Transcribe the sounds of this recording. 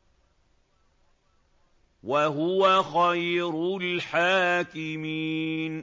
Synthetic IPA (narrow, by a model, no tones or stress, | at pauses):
waɦʊwaxajɾʊlħaːkɪmiːn